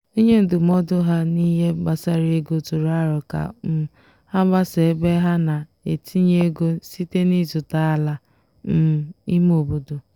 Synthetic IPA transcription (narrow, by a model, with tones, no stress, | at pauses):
i˦ɲe˦n̩˦dʊ˨m̩ɔ˦dʊ˦ɦa˦ni˦ɦe˦ɡ͡ba˨sa˦ɾe˦ɡo˦tu˨ɾa˦ɾʊ˨ka̰˨m̩˦ | ha˦ɡ͡ba˦se˨˦be˦ɦa˦na˨e˨tʰi˦ɲe˦ɡo˦si˦te˦ni˦zʊ˨ta˨˦a˨la˦ | m̩˦˨i˦m˦o˨bo˨do˨